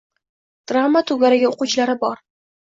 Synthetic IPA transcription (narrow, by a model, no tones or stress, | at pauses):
d̪̥ɾamːat̪ʰʊɡʲaɾɪɡʲaoqʊt͡ʃʰlaɾɪbɒɾ